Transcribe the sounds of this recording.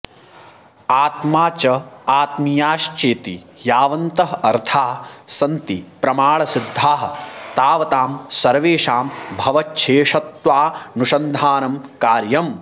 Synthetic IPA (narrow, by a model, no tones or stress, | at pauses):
aːt̪maːt͡ʃɐaːt̪mijaːʃt͡ʃeːt̪i | jaːʋɐnt̪ɐɦɐɐɾt̪ʰaːsɐnt̪ipɾɐmaːɭɐsid̪ʱːaːɦɐ̆t̪aːʋɐt̪aːmsɐɾʋeːʂaːmbʱɐʋɐt͡ʃːʃʰeːʃɐt̪ʋaːnuʃɐnd̪ʱaːnɐmkaːɾjɐm